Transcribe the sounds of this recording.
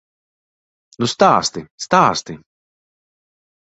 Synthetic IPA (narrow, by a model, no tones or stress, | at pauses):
nust̪aːst̪ist̪aːst̪i